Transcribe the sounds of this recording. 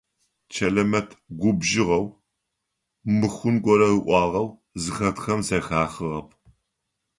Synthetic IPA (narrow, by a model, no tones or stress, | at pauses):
t͡ʃʰɐlɐmɐtʰɡʷʊbʒɪʁɐw | mɨxʷʊnɡʷɔɾɐrɨʔʷɑːʁɐw | zɨxɐtxɐmzɐxaːχɨʁɐp̚ʰ